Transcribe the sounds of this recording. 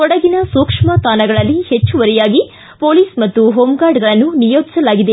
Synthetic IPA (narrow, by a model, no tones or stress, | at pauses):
ɔɽɐɡinɐsuːkʂmɐt̪aːnɐɡɐɭɐlːihet͡ʃːuʋɐɾɛjaːɡi | po̞ːliːsmɐt̪ːuɦoːmɡaːɾɖɡɐɭɐnːunijoːd͡ʒ̪i̥sɐlaːɡid̪e